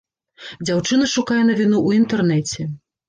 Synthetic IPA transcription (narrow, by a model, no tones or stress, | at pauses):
d͡zʲawt͡ʂɨnɐʂukajɛnɐvʲinuʔuint̪ɛrnɛt͡sʲɛ